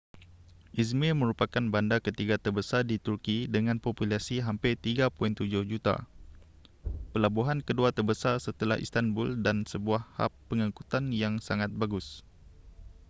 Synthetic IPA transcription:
ʔis̬milmə̃ɾupakanbandakət̪iɡat̪ərbəsardit̪urkidəŋãnpopulasiɦampɪt̪iɡapuint̪ud͡ʒʊhd͡ʒut̪a̰ | pəlabuɦankəduat̪ərbəsarsət̪əla̰hḭst̪anbʊldansəbuahha̰pːəŋakut̪anjaŋsaŋãt̪̚baɡʊs

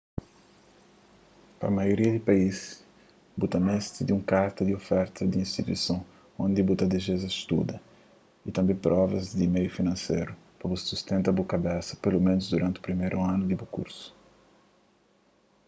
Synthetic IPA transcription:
pɾɐ̰majoɾiɐd̪ɪpais | but̪ɐmɛst̪ɪd̪ũŋkaɾt̪ɐd̪ɪofɛɾt̪ɐd̪ɪĩst̪it̪uḭsɐ̃w̃ | õnd̪ɪbut̪ɐd̪eʒezɐst̪ṵd̪ɐ | it̪ɐ̃mbẽj̃pɾʔɔvɐzd̪ɪmejʊfinɐ̃sḛjɾʊ | pɐbusːust̪ẽnt̪ɐbukabɛsɐ̥pelomẽnʊzd̪uɾʔɐ̃nt̪ɪupɾimejɾuãnʊd̪ɪbukṵɾsʊ̥

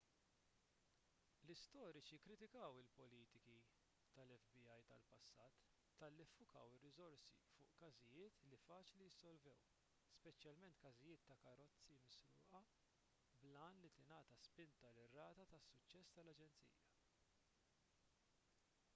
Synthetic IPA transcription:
lɪst̪ɔːɾɪt͡ʃikːɾɪt̪ɪkɐwɪlpɔliːt̪ɪki | t̪ɐlɛfbiɐjt̪ɐ̰lpɐsːɐːt̪ː | ɐlːifːʊkɐ̰wɪrːɪzɔɾsḭfʊ̰ːʔkɐzɪjɪːt̪lifɐːt͡ʃlijɪsːɔlvɛw | spɛt͡ʃjɐlmɛnt̪kɐzɪjɪːt̪ːɐkɐɾɔt͡sːimɪsɾʊ̰ːʔɐ | blɐːnlit̪ɪnɐːt̪ɐspɪnt̪ɐlɪrːɐːt̪ɐt̪ɐsːʊt͡ʃːɛsːt̪ɐlɐd͡ʒɛnt͡sḭːjɐ

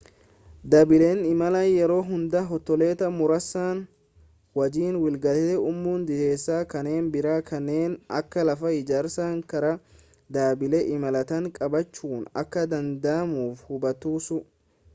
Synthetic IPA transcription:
d̪abɪlenɪmɐlɐnjɛɾo̞ːɦʊnd̪ɐɦɔt̪ːɔle̞ːt̪ɐmʊɾɐsːaːn | wɐd͡ʒiːnwɪlɡɐt̪ɛɛʊmːuːnd̪ɪd̪e̞ːsːaːkɐne̞ːnbɪɾaːkʰɐnːe̞ːnɐ̰kːɐlɐfɐɪd͡ʒaːɾsaːŋkɐɾɐ | d̪aːbɪlɛʔɪmɐlɐt̪ɐŋkʼɐbɐt͡ʃːuːnɐ̰kːɐd̪ɐnd̪aːmuːfhʊbɐt̪uːsʊ

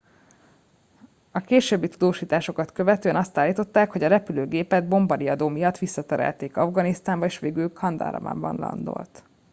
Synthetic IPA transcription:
ɒkeːʃøːbːit̪ud̪oːʃiːt̪aːʃo̞kɒt̪kø̞vɛt̪øːɛnɒst̪aːlːiːt̪o̞t̪ːaːkho̞ɟɒɾɛpyløːɡeːpɛd̪̚bo̞mbɒɾiɒd̪oːmijɒt̪ːʋisːɒt̪ɛɾɛ̰lt̪eːkɒvɡɒnist̪aːmbɒeːʃʋeːɡylkʰɒnd̪ɒ̰ɾɒ̰bɒ̰mbɒ̰nlɒ̰nd̪o̞̰lt̪

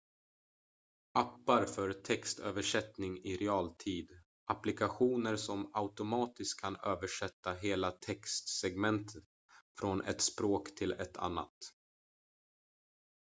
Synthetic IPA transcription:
apːaɾfœɾt̪ʰɛkst̪ʰø̰ːvəʂɛt̪nɪŋɪɾɛɑːlt̪ʰiːd̪ | ʔaplɪkaɧuːnəɾsɔmaʊt̪ʊmɑːt̪ɪst̪̚kʰːanøːvəʂɛt̪ːaɦeːlat̪ʰɛkst̪sɛɡmɛnt̪ʰət̪ | fɾɔnʔɛ̰t̪spɾoːkt̪ʰɪlɛt̪ʰa̰nːa̰t̪

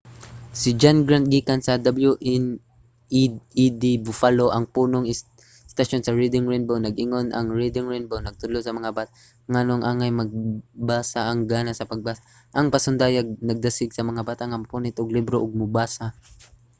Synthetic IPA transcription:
sɪd͡ʒanɡɾant̪̚ɡikansɐd̪ɐbljuʔn | id̪ibʊfaloʔɐŋpuːnoŋɪ | st̪ɐʃonsɐɹid̪ɪŋɹɛjnbownɐɡʔɪŋo̞nʔɐ̰ŋɹid̪ɪŋɹɛjnbownɐɡ̚t̪ʊlosɐmɐŋabaːt̪a | ŋanoŋʔaːŋajmɐɡ̚baːsaɐŋɡaːnasɐpɐɡ̚basa | ʔɐŋpɐsʊnd̪aːjaɡ̚nɐɡ̚d̪ɐsɪɡsɐmɐŋabaːt̪aŋɐmpunɪt̪ʔʊɡlibɾoʔʊɡ̚mʊbaːsa

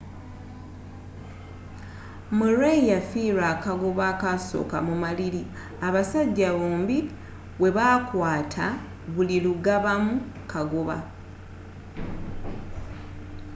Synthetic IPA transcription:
muɾeijafiːɾaːkaɡoβakaso̞̰ːka̰mumalili | aβasaɟːaβoːmbi | we̞βakwaːtʰa | βuliluɡaβamu | kaɡoβa̰

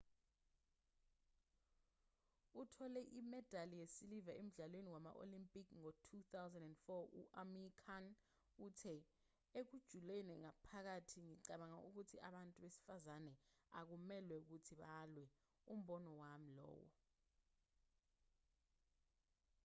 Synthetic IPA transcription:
utʰɔlɛʔimɛd̥ʱalijesilivaʔem̩ɮalweniwama̰ʔo̰limpʼikʰŋotʰut̪awzandɛndfɔṵʔamikʰan | utʰɛ | ek̬ud̥ʒ̥ʱulenɛŋapʰak̬atʰiŋiǀaɓaŋa̰ʔuk̬utʰiʔa̰ɓantʼuɓesi̥fazanɛa̰k̬umɛlwɛuk̬utʰiɓalwɛ | um̩ɓɔnɔwam̩lɔ̰ːwɔ̰

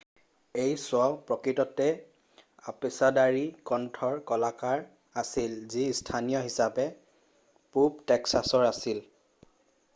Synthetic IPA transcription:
ejsʊaʊpɹɔkɹitɔtɛ | apesadaɹikɔntʰɔɹkɔlakaɹ | asilzistʰanijɔɦisapɛ | puptɛksasɔɹasil

